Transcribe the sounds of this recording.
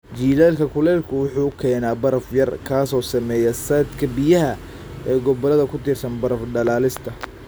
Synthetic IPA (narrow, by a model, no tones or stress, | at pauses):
d͡ʒiːðɛːlkʰɐkʰʊlɛːlkʰʊwʊħuːkʰɛːnaːbɐɾɐfjɐrkʰaːsɔːsɐmɛːjɛsɐd̪kʰɐbɪjɐɦɐ | ɛːɡɔbɐlɐðɐkʰʊt̪ʰɪrsɐnbɐɾɐfɖɐlaːlɪst̪ʰɐ